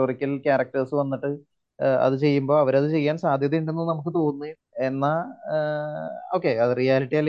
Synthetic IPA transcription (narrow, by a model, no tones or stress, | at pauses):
orikʲːɐlkaːɾɐk̚ʈɐrsɨʋɐnːiʈːɨ | ɐ̰ðɨt͡ɕe̞jːumbo̞ːɐʋɐɾɐðɨt͡ɕe̞jːaːnsaːd̪ʱjɐðɐjuɳɖenːunɐmukːɨt̪o̞ːɣunːui | enːa | o̞ːkːe̞ɐðɨrijaːliʈːiɐlːɐ